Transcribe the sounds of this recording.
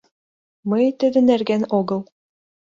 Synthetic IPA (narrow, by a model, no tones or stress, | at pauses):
mɤjt̪ɘ̆d̪ɘ̆næɾɡænoɡɤ̆lˠ